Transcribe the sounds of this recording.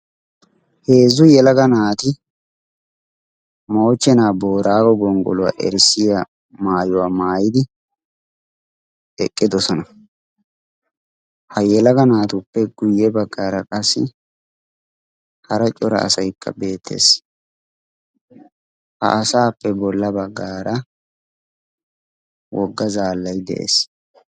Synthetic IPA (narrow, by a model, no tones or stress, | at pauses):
he̞ːzːʊjɛlɐɡɐnaːt̪ɪ | mo̞ːt͡ʃːɛnaːbo̞ːɾaːɡɔɡɔŋɡɔ̰lʊwa̰ʔɛ̰ɾsɪja | maːjʊwaːmaːjɪd̪ɪ | ɛkʼːɪd̪ɔsɔnɐ | hɐjɛlɐɡɐnaːt̪ʊpːɛɡ̥ʊjːɛbɐɡːaːɾɐkʼɐsːɪ̰ | hɐɾɐt͡ʃʼɔɾɐ̰ʔːsɐjkːɐ̰be̞ːt̪ʰːe̞̰ːs | hɐ̰ʔɐsaːpːɛbɔlːɐbɐɡːaːɾɐ | wɔɡːɐzaːlːɐjd̪ɛ̰ʔḛːs